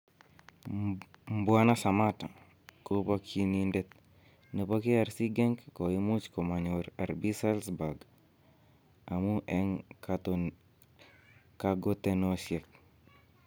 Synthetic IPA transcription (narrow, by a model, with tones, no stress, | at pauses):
mbwa˦na˦sa˨mata˨ | ko˦pa˦kʰi˦nindet̪̚ | nə˨poki˦a˨ɾsi˦ɡe˦ŋkko˨i˦mu˦t͡ʃko˨ma˨ɲoɾa˨ɾbi˦salsba˨ɡ | a˨mu˦ʔeŋkat | kaɡot̪enoʃje˨k̚